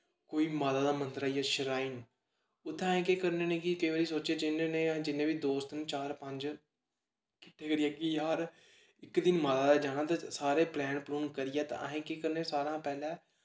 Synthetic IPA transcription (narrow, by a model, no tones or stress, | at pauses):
koːiːmaːd̪aːd̪aːmənt̪əɾaːijaːʃəɾaːiːn | ʊt̪ʰːẽːɦẽːkeːkəɾneːnẽːkɪkəiːʋaːɾiːsoːt͡ʃeːd͡ʒɪneːnẽːd͡ʒɪnːẽːbiːd̪oːst̪ənt͡ʃaːɾpə̃ɲd͡ʒ | kɪʈʰːeːkəɾɪjɛːkɪjaːɾ | ɪkd̪ɪnmaːd̪aːd̪aːd͡ʒaːnãːt̪asaːɾeːplɛ̃ːnpluːnkəɾɪjɛːt̪ã̰ɦẽːkeːkəɾneːsaːɾãːpɛːlɛ̃ː